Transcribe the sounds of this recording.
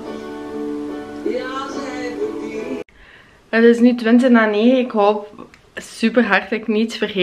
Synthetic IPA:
ətɪsnytʋɪnt̬ənaːneːχəɪkɦoːp | sypərɦartləknitsfərχe

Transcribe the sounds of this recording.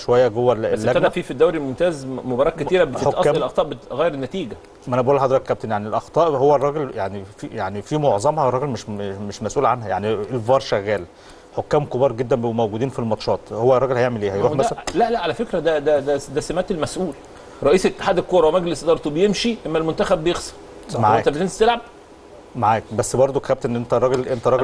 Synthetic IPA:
ʃowæjːæɡowːælælːææd̪æfiːfid̪ːæwɾimomt̪æːzmobɑɾˤɑːkæt̪iːɾæbeteoʔɑtːæːlʔɑxt̪ˤɑːʔbeɣæjɾenːæt̪iːɡæ | ʔænæbʔuːlːħɑd̪ˤɾɑkːæp̚t̪enjaʕnielʔɑxt̪ˤɑːʔhowːærˤːɑːɡeljaʕnifijaʕnifimoʕzˤɑmhɑrˤːɑɡelmeʃmeʃmæsʔuːlʕanhæja̰ʕnielvɑɾˤʃæɣæːl | ħokːæːmkobɑːɾˤɡed̪ːænmæwɡuːd̪iːnfilmɑt̪ʃɑːt̪ˤhowːærˤːɑɡelhæjeʕmelʔeːhæjɾuːmæællæʔlæʔʕalæfekɾæd̪æd̪æd̪æd̪æsæmæt̪elmæsʔuːl | ɾˤɑʔiːset̪ːe̥ħaːd̪elkːoːɾˤɑwmæɡlesʔd̪ɑɾˤt̪obejemʃiʔemːælmont̪æxæbːjexsˤɑ̥ˤ | maʕaːt̪æb̪enst̪elʕab̚ | maʕaːjk̚bæsːbɑɾˤd̪ˤokːæb̚t̪nnʔent̪ærˤɑɡelʔent̪æɾˤɑɡ

